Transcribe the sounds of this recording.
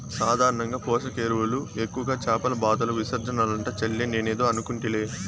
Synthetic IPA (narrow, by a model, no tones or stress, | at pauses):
saːd̪ʱaːɾɐɳɐŋɡaːpɔːʂɐkeːɾuʋuluekːuʋɐɡaːt͡ʃaːpɐlɐbaːd̪ɐloʋisɐɾd͡ʒɐnɐːlɐɳʈɐt͡ʃɐlːeneːneːd̪oːɐnukuɳʈileː